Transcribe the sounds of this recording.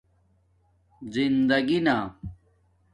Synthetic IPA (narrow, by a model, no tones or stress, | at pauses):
zind̪ɐɡina